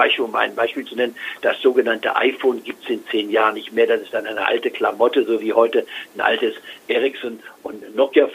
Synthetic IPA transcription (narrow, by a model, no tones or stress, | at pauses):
aɪʃiːʊmʔa̰ɪnbaɪʃpiːlt͡sunɛnənd̥asz̥oːɡənantə̰ʔa̰ɪfoːnɡiːp̚tsɪnt͡seːnjaːʁənːɪçtmeːɐdasɪstd̥anʔaɪnə̰ʔa̰ltəkl̥amɔtəzoːviːhɔʏtən̩ʔa̰ltəsʔɛʁɪksɔnʔʊntnɔkjaf